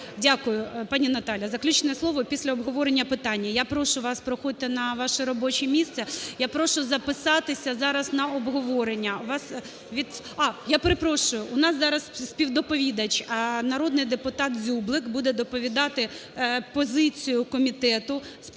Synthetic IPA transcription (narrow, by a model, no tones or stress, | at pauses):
dʲakʊjʊpɑnʲinɐt̪ɑlʲjɐzɐklʲut͡ʃnɛslˠɔʋɔpʲisʲlʲɐɔbɦɔʋɔɾenʲːɐpɪt̪ɑnʲːɐjapɾɔʃʊʋɑspɾɔxɔd̪ɪt̪ɪnɐʋɑʃɛɾɔbɔt͡ʃimʲist̪sɛjapɾɔʃʊzɐpɪsɑt̪ɪsʲɐzɑɾɐznɐɔbɦɔʋɔɾenʲːɐʋɑs | ʋʲid̪ | ɑjapeɾepɾɔʃʊjʊʔːnɑszɑɾɐssʲpʲiwd̪ɔpɔʋʲid̪ɐt͡ʃʲɐnɐɾɔd̪nɪjd̪epʊt̪ɑt̪zʲublˠɪkbud̪ɛd̪ɔpɔʋʲid̪ɑt̪ɪpɔzɪt͡sʲijʊkɔmʲit̪ɛt̪ʊs